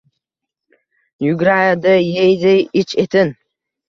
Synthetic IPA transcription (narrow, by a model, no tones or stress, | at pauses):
jʊɡʲɾajad̪ɪjejd̪ɪɪt͡ʃʰet̪ʰɪn